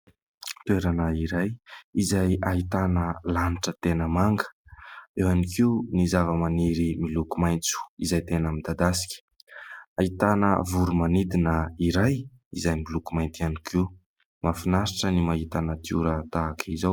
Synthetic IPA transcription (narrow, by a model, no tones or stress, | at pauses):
t̪ueɾanəiɾajizajaɦit̪anəlaniʈ͡ʂət̪enəmaŋɡə̥ewanikiwnizavəmaniɾimilukumajnt͡su̥izajt̪enəmid̪ad̪asi̥kʲə̥ | ait̪anə̰vuɾumanid̪inəiɾaj | izajmilukumajnt̪ianikʰi | mafinaɾiʈ͡ʂənimaɦit̪anat̪iuɾət̪aːkʰizaw